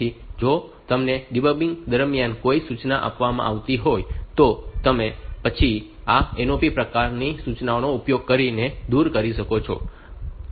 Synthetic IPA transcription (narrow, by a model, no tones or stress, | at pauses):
id͡ʒot̪əmneɖibəbĩŋd̪əɾmjankoisut͡ʃnaʔa̰pʋamã̰ʔaʋt̪iɦojt̪ot̪əmepət͡ʃʰi | aenopipɾəkaɾnisut͡ʃnaonoupjoɡ̚kəɾined̪uɾkəɾiʃəkot͡ʃʰɔ̰